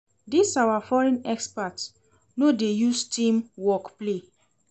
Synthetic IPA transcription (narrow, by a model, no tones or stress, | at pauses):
disawafɔɹɛ̃nɛkspat | nodejustĩmwɔkple